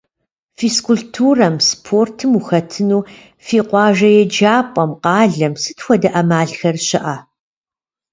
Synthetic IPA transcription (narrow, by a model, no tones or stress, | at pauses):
fiskʰʊɮtʰuːrɐmspʰortʰɨmuxɐtʰɨnuː | fiːqʷɑːʒɐjɛd͡ʒaːpʼɐmqɑːɮɐmsɨtxʷɔdɐʔɐmaːɮxɐrɕɪʔɐ